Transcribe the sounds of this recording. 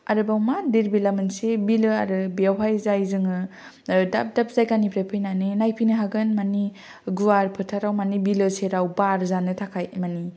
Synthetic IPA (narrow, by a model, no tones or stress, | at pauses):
aɾɯbawmadiɾbilamɯnsebilɯaɾɯbeawɦajzajzɯŋɯ | da̰p̚dap̚ʰz̥ajkanipʰɾepʰɯjnanɯnajpʰinɯɦaɡɯnmani | ɡuwaɾpʰɯtʰaɾawmanibilɯseɾawbaɾzanɯtʰakʰajmani